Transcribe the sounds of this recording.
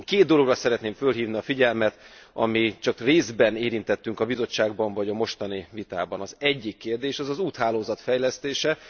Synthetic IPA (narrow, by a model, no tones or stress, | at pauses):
keːd̪d̪o̞lo̞ɡrɒsɛɾɛt̪neːɱfølɦiːvniɒfiɟɛlmɛt̪ɒ̰mit͡ʃɒkreːzbɛneːɾint̪ɛt̪ːyŋkɒbizo̞t͡ʃːaːɡ̚bɒɱvɒɟɒmo̞ʃt̪ɒnivit̪a̰ːbɒnɒzɛɟːikːeːrd̪eːʃɛzɒzuːt̪haːloːzɒt̪fɛjlɛst̪eːʃɛ